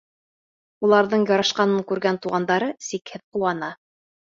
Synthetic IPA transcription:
ulˠɑɾðɤɴjɒɾɑʃqɑnɤɴkʉɾɡænt̪uʁɑnd̪ɑɾɤsikhɘðquɑnɑ

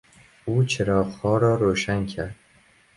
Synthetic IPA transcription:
ut͡ʃʰɪɾɒːqhɒːɾɒːɾoʃaŋkʲʰaɾd̪̥̚

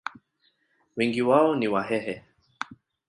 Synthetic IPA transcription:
wɛŋɡiwaɔniwaɦɛɦɛ

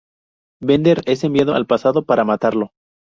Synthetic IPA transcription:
bend̪eɾe̞se̞mbjaðoa̰lpasaðo̞paɾamat̪aɾlo̞

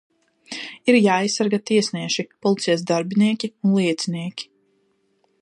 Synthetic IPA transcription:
iɾjaːijsːaɾɡat̪iɛsniɛʃipɔlˠit̪sɛjasd̪aɾbiniɛkʲiunlˠiɛt̪siniɛkʲi̥

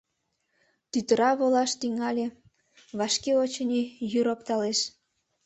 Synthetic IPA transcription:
t̪yt̪əɾɑβolɑʃt̪yŋɑlʲe | βɑʃkeot͡ɕənʲijyɾopt̪ɑleʃ

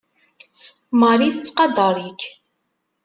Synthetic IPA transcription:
məɾˤiθt͡sːqɑd̪ˤɑɾˤik

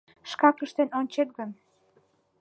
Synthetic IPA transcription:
ʃkɑkəʃt̪enonʲt͡ɕet̪̚ɡən

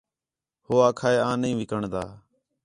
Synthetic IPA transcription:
hoːaːkʰaːeːãːnĩːʋɪkəɳd̪a̰ː

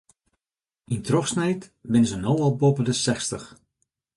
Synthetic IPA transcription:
intrɔxsnɛjtbɪnəzənowɔlˠbopədəsɛxstəx

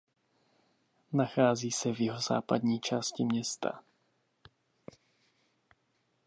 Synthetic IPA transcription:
naxaːziːsɛvjɪɦoza̰ːpad̪ɲiːt͡ʃaːscɪmɲɛst̪a̰

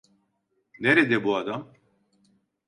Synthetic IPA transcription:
neɾed̪ɛbuad̪am

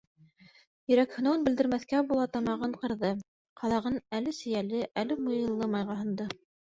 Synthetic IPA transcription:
jɵ̆ɾækhɵ̆nonbɘ̆ld̪ɘ̆ɾmæθkæbulˠɑt̪ɑmɑʁɤɴqɤ̆ɾðɤ | qʰɑlˠɑʁɤnælɘsɘ̆jælɘʔælɘmŏjɤ̆lˠːɤmɑjʁɑɦɤ̆nd̪ɤ

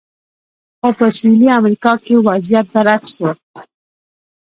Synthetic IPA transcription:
xopəswiliamɾikɑkewazjat̪̚b̪aɾakso

